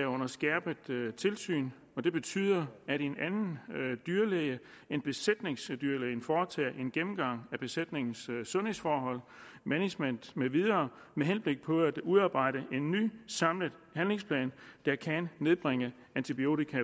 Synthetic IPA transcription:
æɔ̽nɐsɡ̥ɛɐb̥ət͡sʰe̝lsy̰ːn | ɒ̽d̥e̝b̥e̝t͡sʰy̰ːð̞̰ˠɐæɾe̝nænn̩d̥yɐleə | e̝nb̥e̝sed̥ne̝ŋsd̥yɐleɪn̩fɒːt͡sʰɛ̰ːʔe̝nɡ̥emm̩ɡ̥ɑ̈ŋ̰æb̥e̝sed̥ne̝ŋn̩ssɔ̽nhesfɒːɦɒ̽l̰mæni̥men̰d̥meʋið̞ˠɐː | meɦenb̥le̝ɡ̥̚pʰɒ̽æd̥uðˠɑ̈ːb̥ɑ̈ɪ̰ɾ̥əʔe̝nːy̰ːsɑ̈mlə | ɦænle̝ŋspʰlɛ̰ːnd̥ɑ̈kʰænːe̝ðˠb̥ʁaŋə | ænt͡sʰib̥io̝̰ːt͡sikʰæ

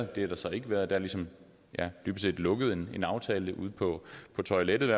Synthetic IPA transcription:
d̥e̝hæɾ̥ɑ̈sɒ̽e̝ɡ̥əʋæɐðˠd̥ææɐlisɒ̽m | jæd̥yb̥əse̝̰ːd̥lɔ̽ɡ̥əð̩ˠe̝ne̝nɑ̈ʊt͡sʰɛːləʔṵð̞ˠpʰɒ̽pʰɒ̽t͡sʰɒ̽ɪleɾ̥ð̩ˠʋæɐ

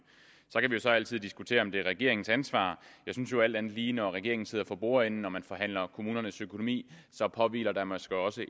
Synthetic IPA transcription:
sɒ̽kʰæʋijo̝sɒ̽æl̰t͡sʰið̞̰ˠd̥isɡ̥ut͡sʰe̝̰ːɐɒ̽md̥e̝æʁɛɡ̥e̝ɐe̝ŋn̩sænsʋɑ̰̈ːjɑ̈ɪsynsjo̝æl̰d̥ænð̩ˠliːnɒʁɛɡ̥e̝ɐeŋn̩se̝ð̰ˠɐfɒ̽b̥o̝ːɐen̩nɒmænfɒ̽ɦæn̰lɐkʰo̝muːnɐnəsøkʰo̝nomḭːsɒ̽pʰɒ̽ʋḭːlɐd̥ɑmæsɡ̥ɒɒ̽sə

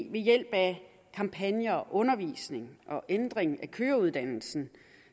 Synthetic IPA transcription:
ʋe̝jel̰b̥æ | kʰɑ̈mpʰænjɐɒʔɔ̽nɐʋḭːsne̝ŋʔɒ̽ʔend̥ʁeŋækʰøːɐuð̞ˠd̥æn̰l̩sn̩

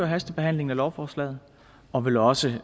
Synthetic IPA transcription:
øɐɦæsd̥əb̥e̝ɦæn̰le̝ŋn̩ælɒʊfɒːslɛ̰ːð̞̩ˠ | ɒ̽ʋe̝lɒ̽sə

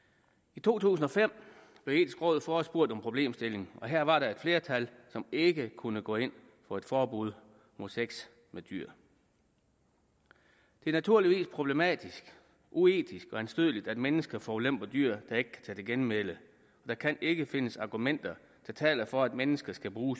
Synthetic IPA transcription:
it͡sʰo̝̰ːt͡sʰṵːsn̩ɒ̽fem̰ | b̥le̝ʊe̝ːd̥isɡ̥ʁɔ̽ːð̩̰ˠfɒːsb̥uɐ̰d̥ɒ̽mpʰʁo̝b̥le̝̰ːmsd̥e̝le̝ŋɒ̽ɦæɐ̰ʋɑ̈ɾɑ̈e̝d̥fle̝ːɐt͡sʰælsɒ̽me̝ɡ̥əkʰunəɡ̥ɔ̰̽ːe̝n̰ | fɒ̽e̝d̥fɒːb̥uð̞̰ˠ | mo̝ðˠseɡ̥s | med̥y̰ɐ̰ | d̥e̝æɐnæt͡sʰuɐ̰liʋḭːspʰʁob̥le̝mɛ̰ːd̥isɡ̥ | ʔue̝̰ːd̥isɡ̥ɒ̽ænsd̥øðˠlid̥æd̥menəsɡ̥ɐfɒːlem̰b̥ɐd̥yɐ̰d̥ɑ̈e̝ɡ̥ə̥kʰæ̥t͡sʰɛd̥eɡ̥enmelə | ɒ̽d̥ɑ̈kʰæne̝ɡ̥əfe̝nəsɑ̈ɡ̥umen̰d̥ɐ | t͡sʰe̝t͡sʰɛ̰ːlɐfɒ̽æd̥menəsɡ̥ɐsɡ̥æb̥ʁuːs

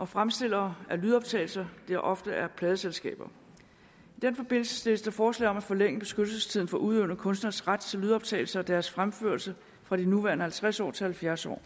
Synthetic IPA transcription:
ʔɒ̽fʁamsd̥e̝l̰ɐːæɐlyð̞ˠɒ̽b̥̚t͡sʰɛ̰ːɪl̩sɐd̥eæɐʔɒ̽fd̥əʔæɐpʰlɛːðˠəselsɡ̥ɛ̰ːb̥ɐ | id̥enfɒ̽b̥e̝n̰l̩sə̥sl̥e̝ːəsd̥ɑ̈fɒːslɛ̰ɪɒ̽mæfɒ̽leŋ̰əb̥e̝sɡ̥ød̥l̩səst͡sʰið̰ˠn̩fɒ̽ʔuðˠeʊnəkʰɔ̽nsd̥nɐsʁad̥t͡sʰe̝lyð̞ˠɒ̽b̥̚t͡sʰɛ̰ɪl̩sɐɒd̥æɐsfʁamfø̰ɐlsə | fʁɑ̈ɾ̥inuʋæɐnəhælt͡sʰʁasɒ̰ːt͡sʰe̝lhælfjæɐsɒ̰ː

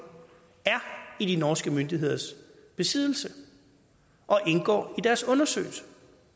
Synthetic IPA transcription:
æɐidinɒːsɡ̥əmønd̥iɦe̝ð̞̰ˠɐs | b̥e̝sið̰ˠl̩sə | ʔɒ̽ʔe̝nɡ̥ɒ̰ːid̥æɐsɔ̽nɐsø̰ːɪlsə̥

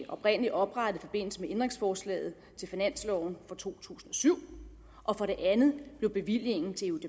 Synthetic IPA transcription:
ʔɒ̽b̥ʁen̰əliʔɒ̽b̥ʁɑ̈ɾ̥əð̩ˠifɒ̽b̥e̝n̰l̩səmeend̥ʁeŋsfɒːslɛ̰ːð̞̩ˠ | t͡sʰe̝lfinæn̰slɒʊn̩fɒ̽t͡sʰo̝̰ːt͡sʰṵːsn̩ɒ̽syʊ̰ | ʔɒ̽fɒ̽ɾe̝ʔænð̩ˠb̥le̝ʊb̥e̝ʋil̰je̝ŋn̩t͡sʰe̝eud̥e

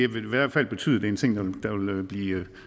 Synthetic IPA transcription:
æʋeʋæɐ̰fæl̰b̥e̝t͡sʰy̰ːð̰ˠɐd̥e̝ent͡sʰe̝ŋ̰d̥ɑd̥ɑʋe̝løb̥liː

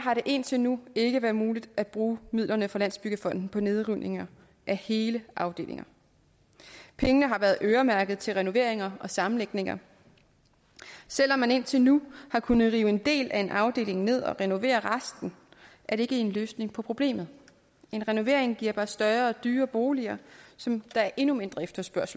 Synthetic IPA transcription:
ɦɑ̈ɾe̝ʔe̝n̰t͡sʰe̝lnue̝ɡ̥əʋæːɐðˠmuːlid̥æd̥̚b̥ʁuːmiðˠlɐnəfɑ̈læn̰sb̥yɡ̥əfɒ̽n̰d̥n̩pʰɒ̽ne̝ð̞ˠʁynʔe̝ŋɐ | ʔæhe̝ːləʔɑ̈ʊd̥e̝̰ːle̝ŋɐ | pʰeŋənəɦɑ̈ʋæɐð̩ˠʔøːɐmæɐɡ̥ð̞̩ˠt͡sʰe̝lʁɛno̝ʋe̝ɐ̰e̝ŋɐɒ̽sɑ̈m̩leɡ̥ne̝ŋɐ̰ | sel̰ɒ̽mːæne̝n̰t͡sʰe̝lnuhɑ̈kʰunð̩ˠʁiːʊəe̝nd̥e̝̰ːlæe̝nʔɑ̈ʊd̥e̝̰ːle̝ŋne̝ð̞̰ˠɒ̽ʁɛno̝ʋe̝̰ːɐʁɑsd̥n̩ʔæɐɾe̝e̝ɡ̥əe̝nløːsne̝ŋpʰɒ̽pʰʁo̝b̥le̝̰ːmð̞̩ˠ | e̝nʁɛno̝ʋe̝ɐ̰eŋɡ̥iɐ̰b̥ɑ̈sd̥ɶɐɐ̽ːd̥yːɐb̥o̝ːliɐsɒ̽md̥ɑ̈æɐʔe̝nume̝nd̥ʁɐefd̥ɐsb̥ɶɐsl̩

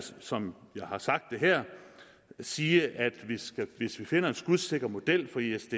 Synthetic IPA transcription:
sɒ̽mjɑ̈ɪhɑ̈sɑ̈ɡ̥d̥ːe̝ɦɛɐ̰ | siːəʔæd̥ʋisɡ̥æʋe̝sʋife̝n̰ɐe̝nsɡ̥uðˠse̝ɡ̥ɐmo̝d̥el̰fɒ̽iesd̥e

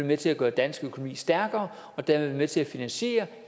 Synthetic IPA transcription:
emet͡sʰe̝læɡ̥ɶːɐd̥ænsɡ̥økʰo̝no̝mḭːsd̥æɐɡ̥ɐː | ɒ̽d̥æɐemet͡sʰe̝læfinænɕe̝̰ːɐ

